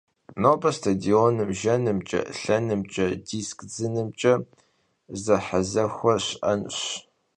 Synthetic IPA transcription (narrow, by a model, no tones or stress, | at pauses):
nobɐstʰadioːnɨmʒɐnɨmt͡ʃʼɐ̰ɬɐnɨmt͡ʃʼɐdiskd͡zɨnɨmt͡ʃʼɐ | zɐħazɐxʷɔɕʔɐnɕ